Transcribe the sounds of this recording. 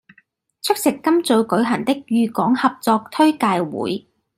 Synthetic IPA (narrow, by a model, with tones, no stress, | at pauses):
t͡ʃʰɵ˥k̚sɪ˨kːɐ˥mt͡sɵ˧wkɵ˨˥ɥɦɐ˨˩nt̪ɪ˥k̚jyː˨˧kɔː˨˥ŋhɐ˨p̚t͡sɔː˧k̚t̪ʰɵ˥ɥkaː˧jwṵː˨˥j